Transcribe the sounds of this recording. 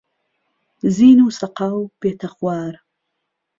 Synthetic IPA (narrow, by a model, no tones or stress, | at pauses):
ziːnuːsɐqawb̥eːt̪ʰɐxwaːɾ